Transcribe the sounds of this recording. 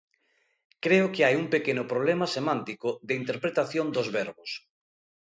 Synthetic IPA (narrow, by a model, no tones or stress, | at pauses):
kɾeʊkeajuŋpekenʊpɾoβlemasemãnt̪ikʊðeint̪eɾpɾet̪aθjond̪ozβɛɾβʊs